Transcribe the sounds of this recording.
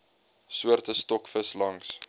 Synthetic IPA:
suərtəstɔkfəslɐŋs

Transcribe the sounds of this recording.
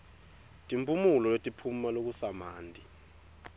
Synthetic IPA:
tʼimpʰʼumulɔletʼipʰumalok̬usamaːndʱʼi

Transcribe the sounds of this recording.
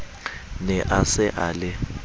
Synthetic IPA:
nɛʔasɛʔaːlɛ

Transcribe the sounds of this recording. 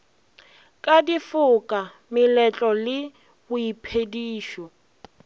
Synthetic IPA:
kʼadifʊkʼa | mɪlɛt͡ɬʼɔlɪ | ʊipʰediːʃɔ

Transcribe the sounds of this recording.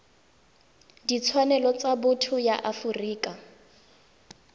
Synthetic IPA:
dit͡sʰwanɛlɔt͡sabʊtʰʊjaʔafʊriːkʼa

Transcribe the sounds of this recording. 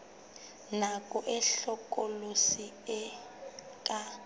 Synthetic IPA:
nakʼɔʔɛɬɔkʼɔlosi | ɛ | kʼa

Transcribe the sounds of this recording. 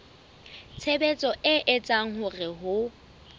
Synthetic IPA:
t͡sʰebet͡sʼɔʔɪʔɪt͡sʼaŋ̩hʊrɪɦʊ

